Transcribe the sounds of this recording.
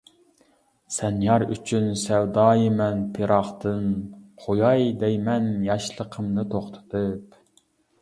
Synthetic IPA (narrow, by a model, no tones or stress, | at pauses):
sɛnjɑɾyt͡ʃʰynsɛwd̪ɑːjɨmɛnt̪ʰeɾɑχt̪ɨnqʰojɑjd̪ɛjmɛnjɑʃlˠəqʰəmnɨt̪ʰoχt̪ʰɨ̥t̪ʰɨp